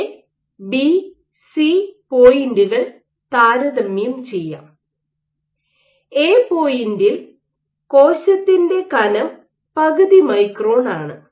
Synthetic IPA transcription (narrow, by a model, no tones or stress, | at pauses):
bi | sipoːjinduɣɐɭ | t̪aːɾɐðɐmːijumt͡ɕe̞jːa̰ːm | eːpo̞ːjindil | ko̞ːɕɐt̪ːinde̞kɐnɐm | pɐɣɐðimɐjkro̞ːnaːɳɨ